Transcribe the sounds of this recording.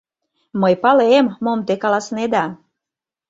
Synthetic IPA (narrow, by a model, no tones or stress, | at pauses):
məjpɑleemːomt̪ekɑlɑsned̪ɑ